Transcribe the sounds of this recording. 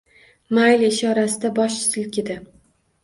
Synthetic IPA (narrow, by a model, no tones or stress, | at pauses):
majleʃɒɾasɪd̪abɒʃɪ̥sɪlkʲʰɪd̪ɪ